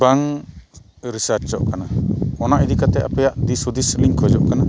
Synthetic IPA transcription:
baŋ | ɾisaɾt͡ʃd͡ʒɔʔkʰanaɔnaʔid̪ikat̪ɛʔapɛjaʔd̪isud̪isliŋkʰɔd͡ʒɔʔkana

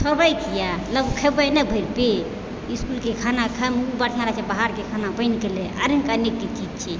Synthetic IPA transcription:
sʰəbɾəjkijaləbkʰəbanəbʱəjɾpe | iskulkekʰanakʰamubaʈʰjãɾat͡ʃʰebaɦaɾkekʰanabəɪnkeleʔa̰ɾiŋkanek̚tit͡ʃid͡ʒt͡ʃʰɛ

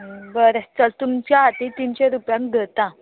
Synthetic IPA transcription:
bəɾət͡səlt̪umt͡ɕjaːt̪ĩt̪iːnɕeɾupjãŋk̚ɡ̪ʱət̪ã

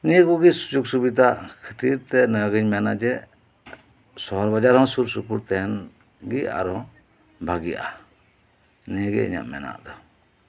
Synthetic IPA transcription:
nijəɡuɡisud͡ʒuɡsubid̪akʰit̪iɾt̪ɛnəjaɡiɲmɛnaʔd͡ʒɛ | sɔɦɔɾbad͡ʒaɾhɔ̃ŋsuɾsupuɾt̪ɛn | ɡia̰ɾɔ̃ | bʱaɡiʔa̰ | nijəɡḭḭɲa̰ʔmɛ̰na̰ʔd̪ɔ

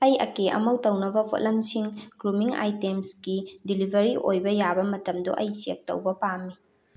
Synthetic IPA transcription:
ɐjɐ̰keʔɐ̰mɐwtɐwnɐbɐpʰo̰tlɐmsiŋɡɾumiŋa̰jtemsɡidilibʱɐɾiʔojbɐjabɐmɐtɐmduʔɐjsek̚tɐ̰wbɐpamːi

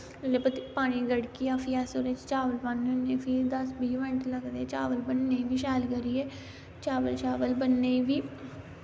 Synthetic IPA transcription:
lep̪paːɽ̃iːɡəɽkiːaːpʰiɛːsoːɾet͡ʃt͡ʃaːʋəlbənoneːfʰiːɾd̪əsbiːʋɛ̃ɳʈləɡd̪eːt͡ʃaːʋəlbənːeiʋiːʃɛːlɡəɾiːeː | t͡ʃaːʋəlt͡ʃaːʋəlbənːeiːʋiː

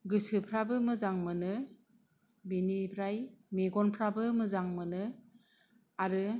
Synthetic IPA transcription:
ɡɯsɯpʰɾabɯmɯzaŋmɯnɯ | binibʰɾajmiɡɔnpʰɾabɯmɯzaŋmɯnɯ | aɾɯ

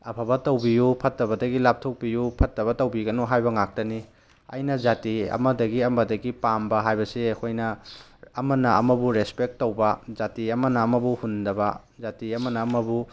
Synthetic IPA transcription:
ɐpʰɐbɐtɐwbijupʰɐtːɐβɐdɐɡilap̚tʰok̚pijupʰɐtːɐβɐtɐwbiɡɐnuɦajbɐŋak̚tɐni | ɐ̰jnɐd͡ʒatiɐ̰mɐdɐɡiɐmɐdɐɡipambɐɦajbɐseɐkʰojnɐː | mɐnɐɐmɐbuɾespek̚tːowbɐzatiɐmɐnɐːmɐbuhundɐbɐ | zatiɐmɐnɐːmɐbu

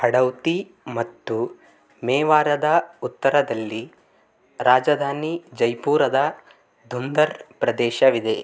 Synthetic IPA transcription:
hɐɽɐwt̪i | mɐt̪ːu | mɛːʋaːɾɐd̪ɐut̪ːɐɾɐd̪ɐlːi | ɾaːd͡ʒɐd̪ʱaːnid͡ʒɐjpuːɾɐd̪ɐ | d̪ʱund̪ɐɾpɾɐd̪ɛːʃɐʋid̪e̞

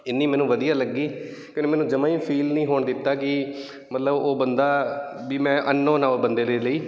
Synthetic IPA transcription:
ɪnːiːmɛːnũːʋəd̪ijaːləɡːiː | kjõːeːmɛːnũːd͡ʒəmãːĩːpʰiːlnĩːɦoːɳd̪ɪt̪ːaːkɪ | mət̪ləboːbənd̪aːbiːmɛ̃ːʔənːõːnãːbənd̪eːdeːləiː

